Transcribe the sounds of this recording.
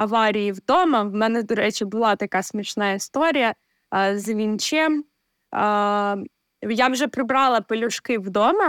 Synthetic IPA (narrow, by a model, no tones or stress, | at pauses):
ɐʋɑɾʲijiwd̪ɔmɐwmɛnɛd̪ɔɾɛt͡ʃɪbʊlˠɑt̪ɐkɑsmʲiʃnɑist̪ɔɾʲijɐ | zʋʲint͡ʃɛm | jawʒɛpɾɪbɾɑlˠɐpɔlʲʊʃkɪwd̪ɔmɐ